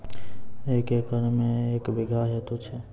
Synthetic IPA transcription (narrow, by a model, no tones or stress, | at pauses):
ekekəɾmeekbiɡʱaɦet̪ut͡ʃʰɛ